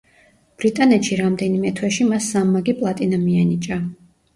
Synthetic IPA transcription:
b̥ɾit̪ʼanɛt̪ʃiɾamd̪ɛnimɛt̪ʰwɛʃimasːamːaɡipʼlˠat̪ʼinamianit͡ʃʼa

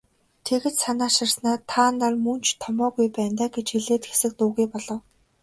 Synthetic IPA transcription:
t̪ʰeɣɘ̆t̪sanaːʃɪ̆rsnaːt̪ʰːaːnːarmunt͡ɕʰt̪ʰɔmɔːɣujpæːnt̪aːɡet͡ɕxiɮeːt̪xe̥sɘ̆k̚t̪uːɣujpɔɮɞ̆w

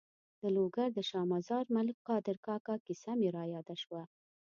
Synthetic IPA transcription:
d̪̥əloɡaɾd̪əʃɑmazɑɾmalkqɑd̪ɪɾkɑkɑkisameɾɑjɑd̪aʃwa

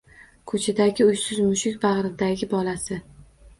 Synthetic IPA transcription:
kʰɵt͡ʃʰad̪aɡʲɪʊjsɪzmʊʃɪkʲbɑʁɾɪd̪aɡʲɪbɒlasɪ

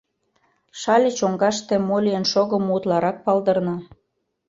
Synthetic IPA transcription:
ʃɑlʲə̆t͡ɕoŋɡɑʃt̪emolʲijənʃoɣəmut̪lɑɾɑk̚pɑld̪ə̆rnɑ

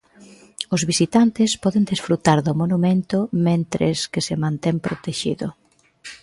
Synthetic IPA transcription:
ʊzβisit̪ant̪ɪspɔðɪnd̪esfɾut̪aɾðʊmonumẽnt̪ʊmẽnt̪ɾḛskɪsemãnt̪ɛmpɾot̪eʃḭðʊ

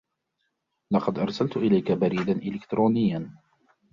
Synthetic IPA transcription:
lɑqɑd̪ʔɑɾˤsalt̪ʊʔɪlajkabaɾiːd̪anʔɪlɪkt̪ɾoːnɪjːan

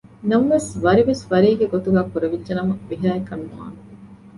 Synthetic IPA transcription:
nɐmʋesʋɐɾiʋesʋɐɾiːɡeɡot̪uɡæːkuɾeʋidʒɐnɐmɐʋiɦæːekɐnːua̰ːn

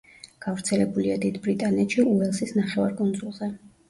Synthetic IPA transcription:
ɡ̥avɾt̪sʰɛlɛbuliad̪id̪bɾit̪ʼanɛt̪ʃiuvɛlˠsisnaχɛva̰ɾkʼund̪zʼulˠzɛ

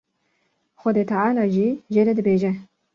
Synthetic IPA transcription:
xʷɐd̪eːt̪ʰaʕaːlaʒiːʒeːɾɛd̪ɨbeːʒɛ

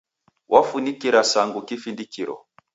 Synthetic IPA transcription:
wʔafunikiɾasaŋɡukifindikiɾɔ̰

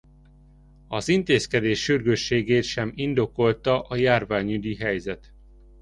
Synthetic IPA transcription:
ɒzint̪eːskɛd̪eːʃːyrɡøʃːeːɡeːt̪ʃɛmind̪o̞ko̞lt̪ɒʔɒjaːrvaːɲyd̪iɦɛjzɛt̪

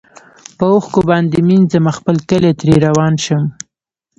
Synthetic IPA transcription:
pəoxkobɑnd̪eminzəmaxpəlkəlet̪ɾeɾawɑnʃəm

